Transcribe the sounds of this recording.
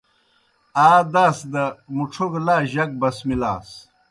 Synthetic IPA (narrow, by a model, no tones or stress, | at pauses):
aːd̪aːsd̪ɐmuʈ͡ʂʰoɡlaːʑɐk̚bɐsmila̰ːs